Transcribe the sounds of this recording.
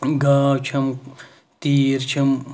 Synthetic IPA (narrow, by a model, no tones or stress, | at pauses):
ɡaːwt͡ʃʰɐm | t̪iːɾt͡ʃʰɐm